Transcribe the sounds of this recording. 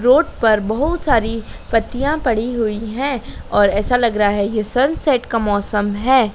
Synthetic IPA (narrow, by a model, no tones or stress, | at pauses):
ɾoːɖpɐɾbɐɦʊt̪saːɾipɐt̪ːijãpɐɽ̤iɦuiɦɛ̃ɔːɾɛːsalɐɡɾaɦaɦɛjesɐnsɛːʈkamɔːsəmɦɛː